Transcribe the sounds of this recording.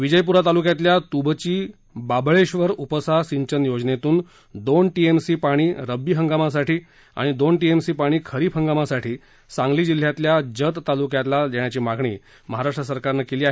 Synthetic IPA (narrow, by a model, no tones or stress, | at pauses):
ʋid͡ʑəjp̬uɾat̪alukjat̪ljat̪ubt͡ɕiː | babɭeɕʋəɾupəsasiɲt͡ɕənjod͡znet̪uːn | d̪onʈiemsiːpaɽ̃iːɾəbiːɦəŋɡamasaʈiː | a̰ɽ̃id̪onʈiemsiːpaɽ̃iːkʰəɾiːpɦəŋɡamasaʈʰiː | sãŋɡliːd͡ʑil̤ːjat̪ljad͡ʑət̪ːalukjat̪lad͡ʑɛɽ̃jat͡ɕiːmaɡʱɳḭː | məɦaɾaʂʈɾəs̬əɾkaɾnəkeliːaɦe